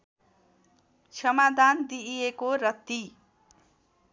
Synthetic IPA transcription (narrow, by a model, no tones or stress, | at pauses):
sʰʌmad̪ʱand̪ijekorʌt̪ːi